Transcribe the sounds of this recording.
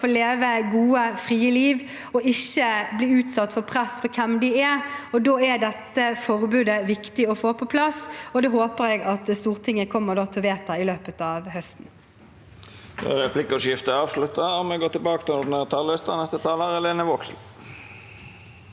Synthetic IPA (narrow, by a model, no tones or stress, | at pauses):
oːleːʋəɡuːəfʁiːəliːʋ | ɔʔɪçːəbliːʉːt̪sɑt̪ːfɔʁpʰʁɛsfɔɾkʰɛmd̪ɪɛɔd̪oːæd̪ɛt̪ːəfɔʁbʉːd̪əʋɪkt̪ɪɔfoːpʰɔpʰlɑsɔd̪oːɦoːpəɾɛɡɑt̪st̪uːʁt̪ʰɪŋːəkʰɔmːəʁd̪oːt̪ʰɛlʋeːt̪ːɑɪløːpət̪ɑːʋhœst̪n̩ | d̪ɛ̰ɾɛpʰlɪkʂjɪft̪əɑːʋslʉt̪ːəɔmːɛɡoːt̪ɪlbɑːkət̪ɪlɔd̪nəːʁt̪ʰɑlest̪ənɛst̪ət̪ʰɑːləɾɛleːnəʋɔksl̩